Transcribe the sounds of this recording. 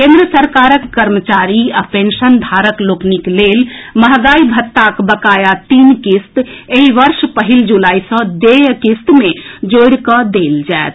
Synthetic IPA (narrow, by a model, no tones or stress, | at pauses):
kẽnd̪ɾəsəɾkaɾəkːəɾmət͡ʃaɾiapensənd̪ʱaɾəklokniklelməɦɡaibʱət̪ːakbəkajat̪inkist̪eɦiʋəɾspəɦild͡ʒulajsə̃d̪ejkist̪med͡ʒoɽkəd̪eld͡ʒaet̪ʰ